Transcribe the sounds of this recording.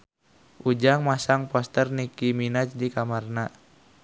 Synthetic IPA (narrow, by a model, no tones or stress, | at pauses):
ʔud͡ʒaŋmasaŋpɔst̪ərnikiminat͡ʃdikamarna